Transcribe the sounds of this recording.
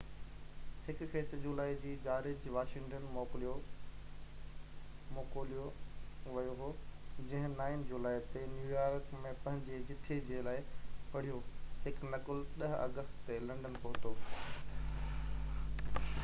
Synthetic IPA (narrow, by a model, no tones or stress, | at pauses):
hɪkxeːsd͡ʑulaːid͡ʑiːd͡ʑaːɾɪd͡ʑʋaːʃɪ̃ŋʈənmoːklo | moːkoːlijoʋɐjoɦoːd͡ʑɐ̃ɦɪ̃naːɪnd͡ʑulaːit̪enjuːjaːɾkmẽpɐ̃ɦɪ̃ɲd͡ʑed͡ʑɪt̪ʰed͡ʑelaːɪpɐɽ̤ijoɦɪknɐkʊlɗɐɦɐ̰ɡəst̪t̪elɐ̃ɳɖənpoɦt̪oː